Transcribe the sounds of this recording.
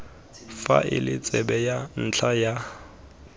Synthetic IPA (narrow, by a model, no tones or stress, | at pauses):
fa̰ʔɪlɪt͡sʼɛbɛjan̩t͡ɬʰaja